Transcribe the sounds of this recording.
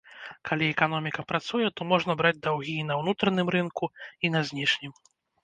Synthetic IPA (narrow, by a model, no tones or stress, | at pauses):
kʰalʲiɛkanɔmʲikɐpɾat̪sujɛt̪ɔmɔʐnɐbɾad͡zʲd̪awɣʲiːnɐwnut̪ɾɐnɨmɾɨnkuinɐzʲnʲiʂnʲim